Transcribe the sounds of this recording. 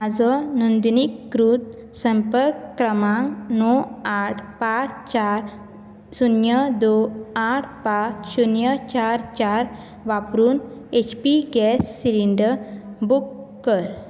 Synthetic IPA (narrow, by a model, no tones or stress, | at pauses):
ad͡zɔnund̪nikːɾut̪̚ | səmpəɾkɾəmãŋnɔaʈʰpat͡ɕt͡ɕaɾ | sunjəd̪oaʈʰpat͡ɕsunjət͡ɕaɾt͡ɕaɾ | ʋapɾuːnet͡ɕpiɡɛsːiɾiɳɖəbukː | əɾ